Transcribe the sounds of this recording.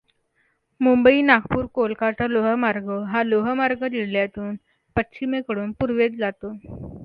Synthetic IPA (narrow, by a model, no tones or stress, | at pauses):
mumbəiːnakpuːɾkolkat͡saloɦəmaɾɡəɦaloɦəmaɾɡəd̪iɽljat̪uːn | pət̪ːɕimekəɽuːnpuɾʋet̪d͡zat̪o